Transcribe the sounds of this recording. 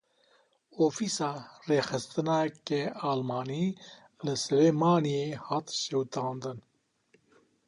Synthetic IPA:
oːfiːsaːreːxɨst̪ɨnaːkeaːlmɑːniː | lɨsɨɾeːmaːnijehaːt̪ʃewt̪ãːnd̪ɨn

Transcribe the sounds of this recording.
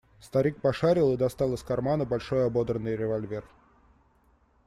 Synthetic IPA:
st̪ɐɾʲik̚pɐʂaɾʲɪlˠɨd̪ɐst̪ɑlˠɨsʲkɐrmanəbɐlʲʂo̞jɐbo̞d̪ɾənːɨjɾʲɪvɐlʲvʲe̞r

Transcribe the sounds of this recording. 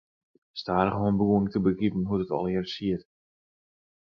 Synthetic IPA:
staːrχɦoːnbuːəŋtəbəkipn̩ɦutətɔ̰lˠɪrsiət

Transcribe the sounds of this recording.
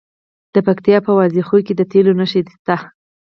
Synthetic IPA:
d̪̥əpakt̪ijɑpəwɑzixojked̪ət̪elonəʃed̪st̪a

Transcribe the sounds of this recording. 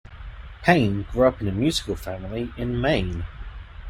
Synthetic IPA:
pʰẽɪ̃nɡɹʉʌpɨ̃nɨmjʉz̥ɨkl̩ˠfæ̃ml̩ˠiɨ̃nmẽɪ̃n

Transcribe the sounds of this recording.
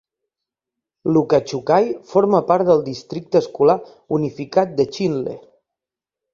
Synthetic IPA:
lukat͡ʃukajfoɾməpaɾt̪d̪əlˠd̪ist̪ɾik̚t̪əskula | unifikat̪̚d̪ət͡ʃinlḛ

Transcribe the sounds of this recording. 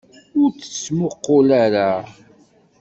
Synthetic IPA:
ʊɾt͡sə̥t͡sːmʊqːʊlaɾa

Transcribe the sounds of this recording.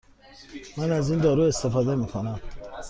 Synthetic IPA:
mænæziːnd̪ɒːɾuːest̪efɒːd̪emiːkʰonæm

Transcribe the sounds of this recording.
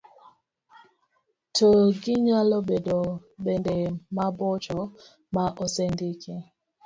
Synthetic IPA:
tʰoɡɪɲalɔbedobɛndɛmabɔt͡ʃɔ | maʔɔsɛndɪke

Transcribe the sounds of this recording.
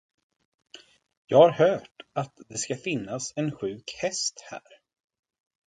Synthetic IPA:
jɑːɡhaɾhœːʈat̪d̪ɛskafɪnːasɛnɧʉ̟ːkhɛst̪hæ̰ːɾ

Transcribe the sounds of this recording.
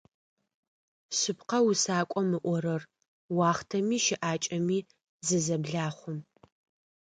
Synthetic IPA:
ɕɨpqɐwʊsaːkʷʼɔmɨʔʷɔɾɐr | wɑːχtʰɐmiːʃɪʔaːt͡ʃʼɐmiː | zɨzɐbɮaːχʷʊm

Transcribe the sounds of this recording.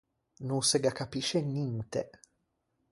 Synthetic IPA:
nuŋseɡakːapiʃenːint̪e

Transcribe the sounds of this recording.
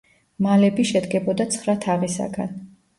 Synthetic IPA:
malɛbiʃɛd̪ɡɛbɔd̪at̪sʰχɾat̪ʰaʁisa̰ɡa̰n

